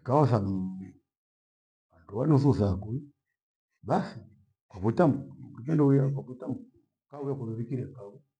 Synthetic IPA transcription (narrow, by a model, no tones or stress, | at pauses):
kaɔsam | wanduwanususakui | basi | kwaβutamkimɛndujakwakutam̩ | kaujakwaβɛβikiɾɛkau